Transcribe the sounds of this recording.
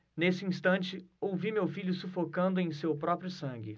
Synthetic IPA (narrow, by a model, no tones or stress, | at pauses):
nesɪĩst̪ɐ̃nt͡ʃɪowvimewfiʎʊsufokɐ̃nd̪ʊẽj̃sewpɾɔpɾjʊsɐ̃ɡʲɪ